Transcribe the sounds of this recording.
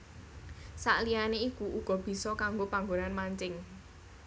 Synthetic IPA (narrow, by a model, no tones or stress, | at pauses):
sa̰ʔlijaneikuʔuɡ̥ɔ̤b̥i̤sɔkaŋɡopaŋɡonanmaɲt͡ʃɪŋ